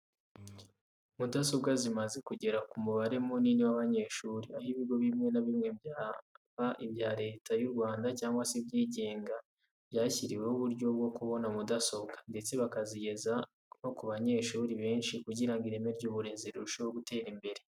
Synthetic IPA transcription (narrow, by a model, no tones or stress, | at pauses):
mudaso̞bɡazimaze̞kuɟe̞ɾakumuβaɾe̞moniniwaβaɲe̞ːʃuːɾiahiβiɡo̞βimŋe̞naβimŋe̞bjaβaʔibjaːɾe̞ːtʰajuɾɡwaːndacaːŋɡwasebɟiːɟe̞ːŋɡa | bjaːçiɾiwehuβuɾɟo̞b̚ɡo̞kuβo̞namudaso̞bɡande̞t͡se̞βakaziɟe̞za | no̞kuβaɲe̞ːʃuːɾiβe̞ːnʃikuɟiɾaŋɡiɾemeɾɟuβuɾeːnzeɾuɾuʃewoɡute̞ːɾimbe̞ɾe